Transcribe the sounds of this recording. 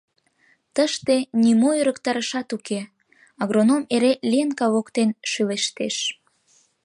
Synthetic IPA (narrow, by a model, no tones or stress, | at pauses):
t̪əʃt̪enimojøɾəkt̪ɑɾəʃɑt̪uke | ɑɣɾonomeɾelienkɑβokt̪enʃyleʃt̪eʃ